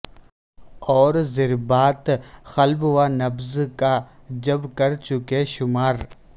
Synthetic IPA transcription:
ɔːɾzɪɾbaːt̪xɐlbwaːnɐbzkad͡ʒɐbkɐɾt͡ʃʊkeʃʊmaːɾ

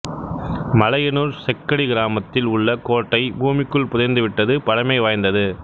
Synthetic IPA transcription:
mɐlɐjɐnuːɾsɛkːɐɽiɡɪɾaːmɐt̪ːɪlʊɭːɐkoːʈːɐɪbuːmɪkːɯɭpʊðɐnd̪ɯʋɪʈːɐðɯpɐɽɐmɐɪʋaːjnd̪ɐðɯ

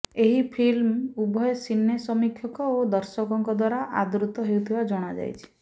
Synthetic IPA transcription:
eɦipʰilmubʱɔjɔsinːesɔmikʰjɔkɔod̪ɔɾsɔkɔŋkɔd̪waɾaʔa̰d̪ɾut̪ɔɦewt̪ʰibad͡ʒɔɽ̃ad͡ʒa̰jt͡ʃʰi̥

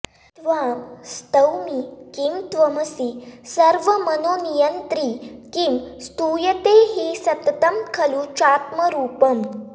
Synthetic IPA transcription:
t̪ʋamst̪əwmikimt̪ʋəməsiːsəɾʋəmənonijənt̪ɾiːkimst̪uːjət̪eɦiːsɐt̪t̪əmkʰɐlut͡ʃaːt̪məɾuːpəm

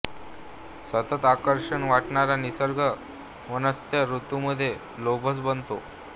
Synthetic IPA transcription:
sət̪ət̪akəɾʂəɳʋaʈɳaɾanisəɾɡʱə | ʋənəst̪jaɾut̪uməd̪ʱːje | lobʱəsbənt̪o

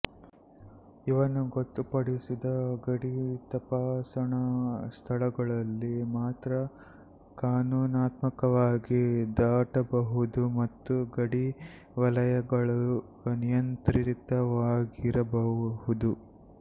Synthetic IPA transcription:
iʋɐnuɡot̪ːupɐɽisid̪ɐɡɐɽit̪ɐpaːsɐɳɐst̪ʰɐlɐɡɐɭɐlːimaːt̪ɾɐ | kaːnuːnaːt̪mɐkɐʋaːɡid̪aːʈɐbɐɦud̪umɐt̪ːuɡɐɽi | ʋɐlɐjɐɡɐɭu | nijɐnt̪ɾiɾit̪ɐʋaːɡiɾɐbɐɦhud̪u

